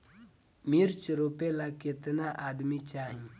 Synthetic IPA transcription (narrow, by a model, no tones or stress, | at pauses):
miɾt͡ʃɾoːpelakɪt̪naʔaːd̪mit͡ʃaːɦĩ